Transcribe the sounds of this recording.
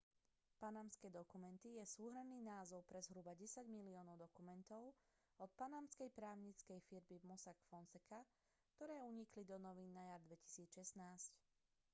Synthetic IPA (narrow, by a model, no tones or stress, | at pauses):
panamskɛd̪ɔkumɛnt̪ijɛsuːɦɾɛmniːnaːzɔʊpɾɛzɦɾubaɟɛsaɟmiliɔːnɔʊd̪ɔkumɛnt̪ɔʊ | ɔt̪̚panamskɛjpɾaːʊɲit͡skɛjfiɾmivmɔsakfɔnsɛka | kt̪ɔɾɛːuɲiklid̪ɔnɔʋinːajaɾd̪ʋɛci̥siːt͡sʃɛsnaːsc